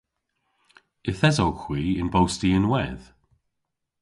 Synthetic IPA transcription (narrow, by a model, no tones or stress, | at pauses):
ɪθɛzowkʰw̥iːɪnbowstiɪnwɛð̥